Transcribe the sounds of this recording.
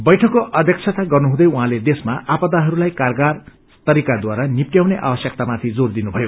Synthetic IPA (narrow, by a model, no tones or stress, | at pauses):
bʌjʈʰʌkːoʔʌd̪ʱjʌk̚t͡sʰʌt̪aɡʌrnuɦũd̪ʌjuɦãled̪esmaʔapʌd̪aɦʌɾulajkarɡar | st̪ʌɾikad̪waɾanip̚ʈjawneʔa̰bʌsjʌk̚t̪amat̪ʰid͡zord̪inubʱʌjo